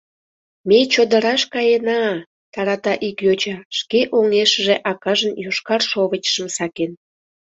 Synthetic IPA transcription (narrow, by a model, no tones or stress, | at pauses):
met͡ɕod̪əɾɑʃkɑjenɑ | t̪ɑɾɑt̪ɑʔikjot͡ɕɑʃkeʔoŋeʃəʒeʔɑkɑʒənjoʃkɑrʃoβət͡ɕʃəmsɑken